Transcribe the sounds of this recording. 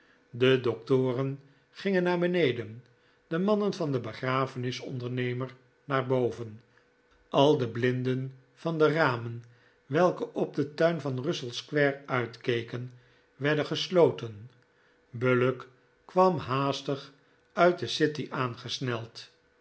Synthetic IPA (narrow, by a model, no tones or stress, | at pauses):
dədɔk̚tʊːrən | χɪŋənaːɹbənejdən | d̥əmɑnənvɑndəbəχraːfənɪsɔ̰ndəɹnejməɹ | naːɹbowvən | ɑlˠdəblɪndən | fɑndəraːmən | ʋɛlˠkəʔɔb̚dətœɥnvɑnrɵsəlˠskʋɛɹœɥtkejkən | ʋɛɹdənχəslowtən | bølək | kʋɑmɦaːstəχ | œɥt̚dəsɪtiʔaːnχəsnɛlˠt